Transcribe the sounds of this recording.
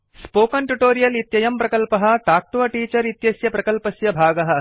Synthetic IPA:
spoːkɐnʈuʈoːɾijɐlit̪jɐjɐmpɾɐkɐlpɐɦɐ̆ʈaːk̚ʈuʋɐʈiːt͡ʃɐɾit̪jɐsjɐpɾɐkɐlpɐsjɐbʱaːɡɐɦɐ̆

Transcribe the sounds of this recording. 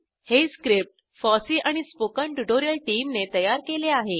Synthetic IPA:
heskɾip̚ʈ | fɔsiːʔaɽ̃ispokə̃ɳʈuʈoɾijəlʈiːmnet̪əjaɾkeleaɦe

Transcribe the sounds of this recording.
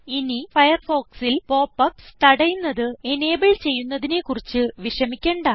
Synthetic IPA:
inifɐjɐrfo̞ːksilpo̞ːpːɐpst̪ɐɽɐjunːɐðɨene̞ːbɐɭt͡ɕe̞jːunːɐðine̞kurit͡ɕːɨʋiʂɐmikʲːeːɳɖaː

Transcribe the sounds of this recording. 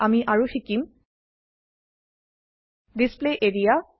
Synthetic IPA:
amiʔaɹuxikim | displeʔeɹija

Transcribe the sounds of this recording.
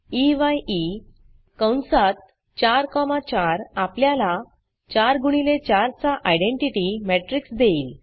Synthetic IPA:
iʋaji | kəwnsat̪̚ | t͡ɕaɾkɔmat͡ɕaɾapljala | t͡ɕaɾɡuɽ̃ilet͡ɕaɾt͡saʔajɖẽɳʈiʈimeʈɾiksd̪eiːl

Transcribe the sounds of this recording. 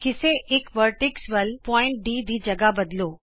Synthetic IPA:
kiseʔekʋəɾʈɪksʋəlpɔɪ̃ɳʈ̚ɖiːd̪id͡ʑəɡabəd̪lo

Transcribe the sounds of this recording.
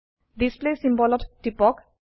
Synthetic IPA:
d̪isplesĩmbɔlɔtʈːipɔk

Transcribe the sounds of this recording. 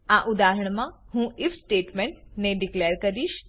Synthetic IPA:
ãːʔʊd̪aːɾəɽ̃mãɦũʔɪfsʈeːʈmẽɳʈnẽɖɪkleːəɾkɐɾiːʃ

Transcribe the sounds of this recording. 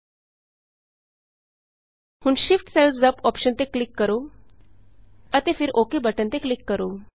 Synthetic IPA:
huːɳɕifʈselsd͡zəpɔpɕənt̪eklikːəɾo | ət̪efiːɾʔokebəʈənt̪eklikːəɾo

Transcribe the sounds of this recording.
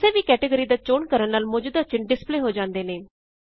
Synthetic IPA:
seːʋiːkɛːʈəɡəɾiːd̪aːt͡ʃoːɳkəɾənnaːlmʊd͡ʒud̪at͡ʃɪnɖɪspleːɦoːd͡ʒãːnd̪eːneː

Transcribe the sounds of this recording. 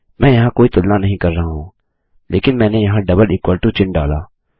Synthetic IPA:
mɛ̃ːjɐɦãkoːit̪ʊlnanɐɦĩkɐɾːɐɦaɦũː | lʔeːkɪnmɛ̃ːnejɐɦãɖɐbəliːkwaːlʈut͡ʃɪ̃ɳɖa̰ːla̰ː

